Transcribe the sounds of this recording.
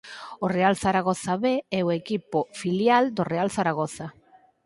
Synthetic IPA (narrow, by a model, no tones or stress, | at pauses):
orealθaɾaɣ̞oθaβeɛoekipofiljald̪orealθaɾaɣ̞oθa